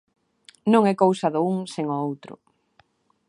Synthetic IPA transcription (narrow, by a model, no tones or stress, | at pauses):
nõŋɛkowsaðʊuŋseŋɔowt̪ɾʊ̰